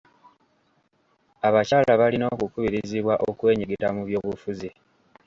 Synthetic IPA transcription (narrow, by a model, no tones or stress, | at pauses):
aβacalaβalino̞ːkukuβiɾiziβwaʔokwe̞ːɲiɡiɾamuβjo̞ːβufuzi